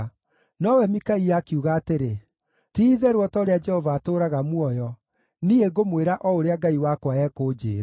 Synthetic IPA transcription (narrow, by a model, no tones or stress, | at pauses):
nɔwɛmikaijakiuɣaːteɾe | tiːðɛɾwɔtɔɾead͡ʒɛhɔvaːtoːɾaɣamwɔjɔ | nieɡomweɾaʔɔoɾeaɡaiwakwaɛkoːd͡ʒḛːɾa